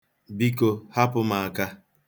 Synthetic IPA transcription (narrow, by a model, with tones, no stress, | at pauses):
bi˦ko˦ha˦pʊ˦ma˨a˨ka˦